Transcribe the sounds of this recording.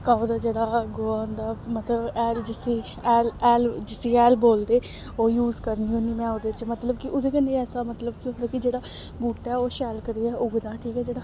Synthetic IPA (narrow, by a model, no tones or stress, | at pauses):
kaːd̪aːd͡ʒeːɽaːɡoːaːnd̪aːmət̪ləbɛːld͡ʒɪsiː | ɛːlɛːld͡ʒɪsiːɛːlboːld̪eː | oːjuːzkəɾnioːnimɛ̃ːʊd̪et͡ʃmət̪ləbkɪʔʊd̪eːkəneɛːsaːmət̪ləbkiɦoɽakɪd͡ʒeːɽaː | buːʈɛːoːʃɛːlkəɾiːɛːʔʊɡd̪aːʈʰiːkɛːd͡ʒeːɽaː